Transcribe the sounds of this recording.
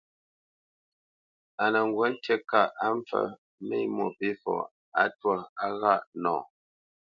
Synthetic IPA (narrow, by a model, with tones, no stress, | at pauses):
a˨nə˨ŋ˨ɡwə˦n̩˦te˦ka˦˨ʔa˦ɱ˦fə̰˨ | me˦˨˦mo˨pi˦fɔ̰˨ | a̰˦twa˦˨a˦ɣa˦˨ʔnɔ̰̃ː˨